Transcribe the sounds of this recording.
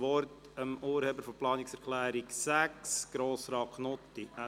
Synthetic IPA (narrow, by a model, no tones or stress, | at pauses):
ʋɔɾt | əmʔuːɾheːbəɾfɔplɑːnɪksɛɾkʰlæːɾiksæksɡ̥ɾoːsɾɑːknɔt̪iæ